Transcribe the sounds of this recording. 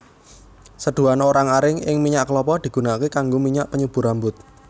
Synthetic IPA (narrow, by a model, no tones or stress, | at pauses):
səɖ̪̥ṳanoɾaŋaɾɪŋɪŋmiɲaʔkəlɔpɔd̪̥i̤ɡ̥ṳnakekaŋɡomiɲaʔpəɲub̥ṳɾambʊt̪̚